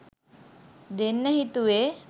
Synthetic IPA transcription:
d̪enːəɦit̪uʋe

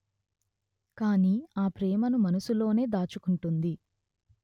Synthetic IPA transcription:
kaːniːaːpɾɛːmɐnumɐnɐsulo̞ːne̞ːd̪aːt͡ʃukuɳʈund̪i

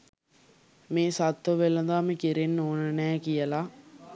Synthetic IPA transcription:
meːsat̪ːʋəʋelɐd̪aːmekiɾenːoːnənæːkijəla

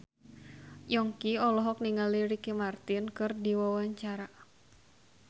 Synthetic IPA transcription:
jɔŋkiɔlɔɦɔk̚niŋaliɾikimart̪inkɨrdiwawaɲt͡ʃaɾa

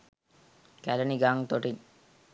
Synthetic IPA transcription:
kæləniɡaŋt̪oʈiɲ

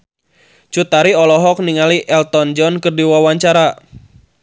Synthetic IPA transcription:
t͡ʃut̪aɾiɔlɔɦɔk̚niŋaliʔɛlt̪ɔnd͡ʒɔnkɨrdiwawaɲt͡ʃaɾa

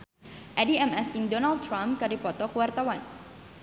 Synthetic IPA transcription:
ʔadiɛmɛskiŋdɔnald̚t̪ɾamkaɾipɔt̪ɔkuwart̪awan

